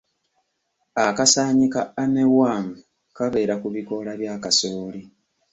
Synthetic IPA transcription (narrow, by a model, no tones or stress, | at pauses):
akasaːɲikaːnewaːŋu | kaβe̞ːɾakuβiko̞laβjaːkaso̞ːli